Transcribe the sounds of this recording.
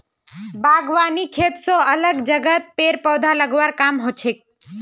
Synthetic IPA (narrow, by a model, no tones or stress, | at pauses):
baɡʋanikʰet̪sõələɡd͡ʒəɡət̪̚peɾpəwd̪ʱaləɡʋaɾkamɦot͡ʃʰek̚